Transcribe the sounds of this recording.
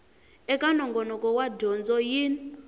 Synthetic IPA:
ɛkʼanɔŋɡɔnɔkʼɔwadɔnd͡zɔjin

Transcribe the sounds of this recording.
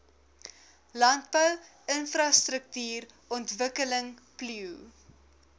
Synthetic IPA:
lɐnt̚bəw | ənfrɑstɾək̚tyːr | ɔntvəkələŋ | pliw

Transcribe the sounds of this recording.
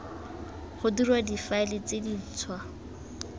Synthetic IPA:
χʊdirwadifaɪlɪt͡sedit͡sʰwa

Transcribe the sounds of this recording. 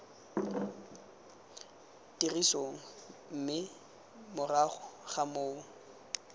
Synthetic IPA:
tirisoŋ̩m̩mɪ | mʊraχʊχamoːŋ̩

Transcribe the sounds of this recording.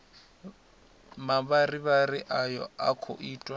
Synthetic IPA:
mabariβarɪʔajɔ̰akʰo̰ʔiːtʼwa

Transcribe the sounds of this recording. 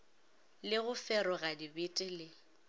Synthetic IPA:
lɪɣʊfɛɾɔɣadibɪtʼɪlɪ

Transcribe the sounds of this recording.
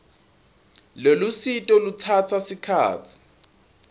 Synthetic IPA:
lelusitʼɔlut͡sʰat͡sʰasikʰa̰ːt͡sʰi̥

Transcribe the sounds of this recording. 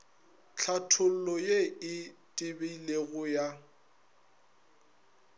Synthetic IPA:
t͡ɬʰatʰʊl̩lɔjeɪtʼɪbeileɣʊja

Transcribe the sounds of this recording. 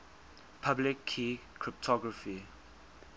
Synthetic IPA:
pʰablɪkʰːikʰɹip̚tʰɔɡɹəfi

